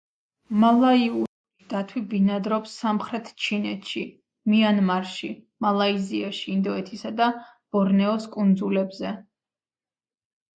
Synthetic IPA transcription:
malˠaiu | d̪̥at̪ʰwibinad̪ɾɔpsːamχɾɛt̪ʰt͡ʃʰinɛt̪ʰʃi | mianmaɾʃi | malˠaiziaʃiind̪ɔɛt̪ʰisad̪a | b̥ɔɾnɛɔskʼund̪zulɛbzɛ

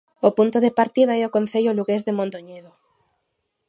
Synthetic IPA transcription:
opunt̪oðepaɾt̪iðaɛokon̟θeʎoluɣezðemõnt̪oɲeðo

